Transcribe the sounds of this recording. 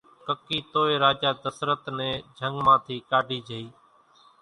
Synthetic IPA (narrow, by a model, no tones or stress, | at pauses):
kəkiːt̪oːeːɾaːd͡ʒaːd̪əsɾət̪nẽːd͡ʒʱəŋɡmãːt̪ʰiːkaːɖʱiːd͡ʒʱəiː